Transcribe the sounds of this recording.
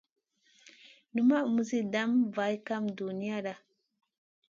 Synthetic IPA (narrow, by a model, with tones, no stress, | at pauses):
nu˨ma˦˨mu˦zi˦da˦mva˨i˦ka˦mdu˨ni˦a˦ɗa˨